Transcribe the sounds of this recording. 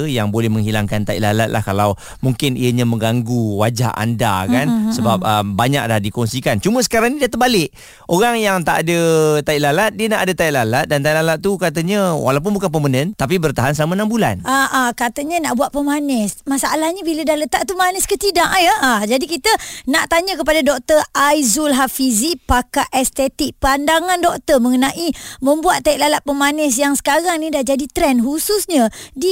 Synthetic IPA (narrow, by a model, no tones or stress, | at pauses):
jaŋbolɛhməŋɦilaŋkant̪aḭʔlala̰t̪̚la̰hkalaw | muŋkɪnḭəɲəmə̃ŋɡaŋɡuwad͡ʒa̰ɦʔa̰nda̰kansəbap̚əmbaɲak̚dadikɔŋsikant͡ʃumə̃sə̥kaɾaŋnidiət̪əbalɪk | ʔoɾaŋjaŋt̪aʔadət̪aiʔlalat̪̚diənaʔadət̪aiʔlalat̪̚dant̪aiʔlalat̪̚t̪ukat̪əɲəwa̰lawp̬ʊnbukanp̬əmənənt̪ap̬ibərt̪aɦansəlamənambulanʔaʔakat̪əɲənaʔbuaʔ̪̚pəmanɛsmasaalahɲəbilədahlət̪aʔ̚t̪umanɛskət̪idaʔjaad͡ʒadikit̪ənaʔt̪aɲəkəpadadɔk̚t̪ərajzulɦafizikpakaʔɛst̪ɛt̪ɪk̚pandaŋandɔk̚t̪əməŋənaʔiməmbuat̪ːaiʔlalat̪̚pəmanɛs̬jaŋsə̥kaɾaŋnidahd͡ʒadit̪ɾɛnɦususɲədi